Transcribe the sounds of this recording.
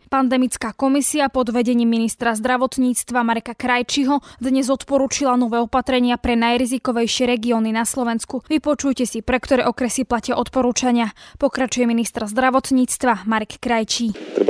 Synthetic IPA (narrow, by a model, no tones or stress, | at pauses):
pand̪ɛmit͡skaːkɔmisiapɔd̪ʋɛɟɛɲiːmːinist̪ɾazd̪ɾaʋɔt̪ɲiːt͡st̪ʋamaɾɛkakɾajt͡ʃiɦɔd̪ɲɛzɔt̪pɔɾuːt͡ʃilanɔʋɛːɔpat̪ɾɛɲɪapɾɛnajɾizikɔʋɛjʃɪɛɾɛɡiɔːninaslɔʋɛnskuʋipɔt͡ʃujcɛsipɾɛkt̪ɔɾɛːʔɔkɾɛsiplacɪaʔɔt̪pɔɾuːt͡ʃaɲɪapɔkɾat͡ʃujɛminist̪ɾzd̪ɾaʋɔt̪ɲiːt͡st̪ʋamaɾɛkːɾajt͡ʃiːt̪ɾɛ